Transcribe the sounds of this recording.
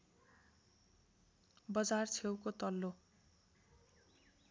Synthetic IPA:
bʌd͡zart͡sʰewkot̪ʌlːo

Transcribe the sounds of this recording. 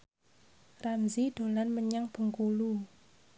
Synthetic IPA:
ramziɖ̥o̤lanməɲaŋb̥ə̤ŋkulu

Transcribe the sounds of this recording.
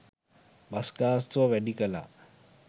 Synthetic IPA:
basɡaːst̪ʋəʋæɖikəla̰ː

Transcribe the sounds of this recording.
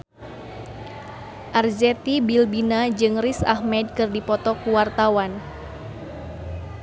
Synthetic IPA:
ʔarzɛt̪ibilbinad͡ʒɨŋrisa̰hmɛd̚kɨrdipɔt̪ɔkuwart̪awan

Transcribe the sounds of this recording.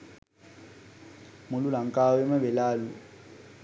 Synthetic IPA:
mʊlulaŋ̩kʼawɛmɛbɛlaːlu

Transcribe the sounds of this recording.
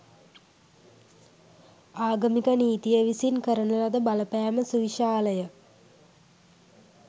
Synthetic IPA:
aːɡəmikəniːt̪ijəʋisinkəɾənəlad̪əbaləpæːməsuʋiʃaːləjə

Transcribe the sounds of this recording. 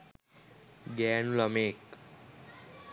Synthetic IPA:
ɡɛnuləmek

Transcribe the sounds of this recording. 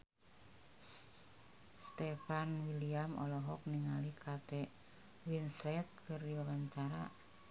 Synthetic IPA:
st̪ɛfanwiliamɔ̰lɔɦɔk̚niŋalikʰat̪ɛ | winslɛt̪̚kərdiwawaɲt͡ʃaɾa

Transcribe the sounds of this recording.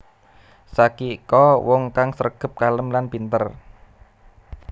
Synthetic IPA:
sakikɔwɔŋkaŋsərɡ̥ə̤p̚kaləmlanpint̪ər

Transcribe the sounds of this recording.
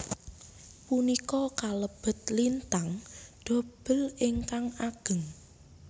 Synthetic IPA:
punikɔkaləb̥ə̤t̪̚lint̪aŋɖ̪̥o̤b̥ə̤lɪŋkaŋaɡ̥ə̤ŋ

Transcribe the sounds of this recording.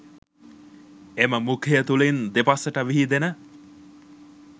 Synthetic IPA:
eməmukʰejət̪ulend̪epasəʈəʋiɦid̪enə

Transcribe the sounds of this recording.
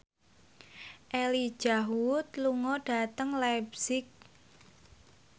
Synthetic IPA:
ʔeli̥ʒ̥aɦut̪luŋɔɖ̥a̤t̪əŋlabsɪk̚

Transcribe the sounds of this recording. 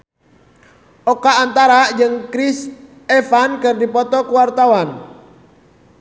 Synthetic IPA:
okaːnt̪aɾad͡ʒɨŋkɾis | efankərdipɔt̪ɔkuwart̪awan

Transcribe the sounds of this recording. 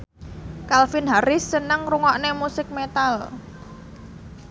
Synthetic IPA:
kalfɪnɦaɾɪsːənəŋruŋɔʔnemusɪk̚met̪al

